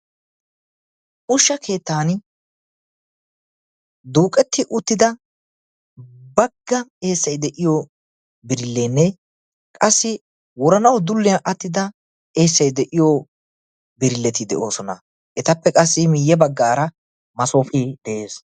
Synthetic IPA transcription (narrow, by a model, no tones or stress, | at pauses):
ʊʃːɐkʰe̞ːt̪ːaːn | d̪uːkʼɛt̪ːɪʔʊt̪ːɪd̪ɐ | bɐɡːɐe̞ːsːɐjd̪ɛʔɪjo | bɪɾɪlːeːnːɛ | kʼɐsːɪ | wɔɾɐnɐwd̪ʊlːɪjɐʔɐt̪ːɪd̪ɐ | e̞ːsːɐjd̪ɛʔɪjo | bɪɾɪlːɛt̪ɪd̪ɛ̰ʔo̞ːsɔnɐ | ʔɛt̪ɐpːɛkʼɐsːɪmɪjːɛbɐɡːaːɾɐ | mɐsoːfʼiːd̪̥ɛʔeːs